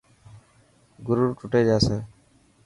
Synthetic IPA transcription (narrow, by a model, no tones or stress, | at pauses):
ɡʊɾuːɾʈʊʈeːd͡ʒaːseː